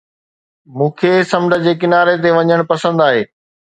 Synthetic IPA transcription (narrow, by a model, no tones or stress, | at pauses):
mũːkʰeːsɐmɖʱə̆d͡ʑeːk̬ɪnaːɾet̪̬eʋɐɲəɽ̃pɐsə̃nd̪aːɦeː